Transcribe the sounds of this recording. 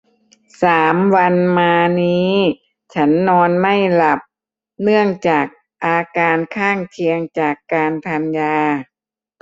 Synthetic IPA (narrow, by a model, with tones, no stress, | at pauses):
saː˩˦mwa˧nmaː˧niː˦˥ | t͡ɕʰa˦˥nːɔː˧nma˥˩jla˨˩p̚ | nɯ˥˩əŋt͡ɕaː˨˩k̚ | ʔaː˧kaː˧nkʰaː˥˩ŋkʰi˧əŋt͡ɕaː˨˩kːaː˧nt̪ʰa˧njaː˧